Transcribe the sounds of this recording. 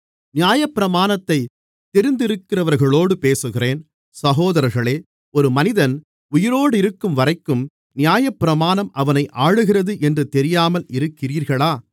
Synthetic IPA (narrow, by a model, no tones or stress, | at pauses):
nɪjaːjɐpːɪɾɐmaːnɐt̪ːɐɪ | t̪ːɛɾɪnd̪ɪɾɯkːɪrɐʋɐɾɣɐɭoːɽɯpeːsɯɣɪreːn | sɐɣoːðɐɾɐɾɣɐɭeː | ɔɾɯmɐnɪðɐn | ʊjɪɾoːɽɪɾɯkːɯmʋɐrɐɪkːɯm | nɪjaːjɐpːɪɾɐmaːnɐmɐʋɐnɐɪʔaːɻɯɣɪrɐðɯʔɛndrɯt̪ɛɾɪjaːmɐlɪɾɯkːɪriːɾɣɐɭaː